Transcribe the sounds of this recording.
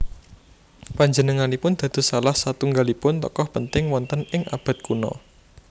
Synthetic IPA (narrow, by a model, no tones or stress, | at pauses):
paɲd͡ʒənəŋanipʊnd̪̥ä̤d̪̥o̤salahsat̪uŋɡalipʊnt̪ɔ̰kɔhpənt̪ɪŋwɔnt̪ənɪŋʔa̰b̥ä̤t̪̚kunɔ̰